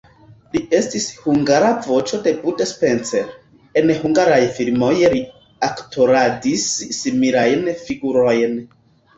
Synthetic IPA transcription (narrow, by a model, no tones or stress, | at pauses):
lie̞stishuŋɡaɾavo̞t͡ʃo̞de̞butespe̞nt͡seɾ | enhuŋɡaɾajfiɾmo̞jɾi | aktʰo̞ɾadisːimiɾajnfiɡuɾo̞jn